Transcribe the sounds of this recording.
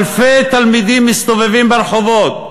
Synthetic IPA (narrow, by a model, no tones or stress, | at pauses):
lfejt̪almid̪imːist̪ovevimbeɾeχovot̪̚